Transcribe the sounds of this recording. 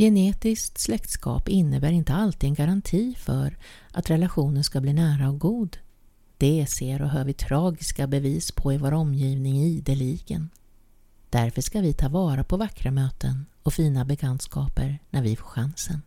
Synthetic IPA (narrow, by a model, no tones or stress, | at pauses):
jɛneːt̪ɪskt̪slɛkt̪skɑ̰ːpɪnːəbæːɾɪnt̪əalt̪iːɛnɡaɾant̪ʰiːfœɾʔa̰t̪ɾɛlaɧuːnənskabliːnæːɾaɔk̚ɡuːd̪ | d̪̥ɛseːɾɔɦœːɾvɪt̪ʰɾɑːɡɪskabɛviːspʰɔɪvoːɾɔmːjiːvnɪŋid̪ɛliɡə̰n | d̪̥æɾfœʂkavɪt̪ʰɑːvɑːɾapʰɔvakːɾamøːt̪ʰən | ɔfiːnabɛkʰant̪skɑːpəɾnʔæɾvɪfoːɧansən